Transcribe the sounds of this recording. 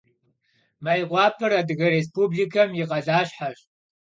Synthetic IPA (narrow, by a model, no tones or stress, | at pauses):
majqʷɑːpʰɨɾadɨɣɐɾes̬pʰubɮikʰɐmjɪqʼɐɮaːɕħaɕ